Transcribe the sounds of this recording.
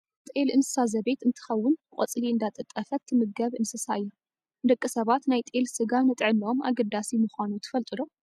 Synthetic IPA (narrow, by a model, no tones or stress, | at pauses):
t̪ʼelɨnsɨ̥sazɐbe̞t̪ɨnt̪ʰɨ̥xɐwːʊnkʼɐt͡sʼliɨnd̪at̪ʼɨt̪ʼɐfɐt̪ʰːɨmɨɡɡɐβɨnsɨsaɨjːu | d̪ɐkʼːɨsɐβat̪najt̪ʼelsɨɡanɨt̪ʼʕɨnomʔa̰ɡɐd̪asimɨxʷanut̪ʰɨ̥fɐlt̪ʼɨlo